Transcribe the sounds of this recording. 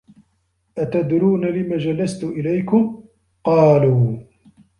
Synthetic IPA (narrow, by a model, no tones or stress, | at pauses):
ʔat̪ad̪ɾuːnalɪmaːd͡ʒalːast̪ʊʔɪlajkʊm | qɑːluː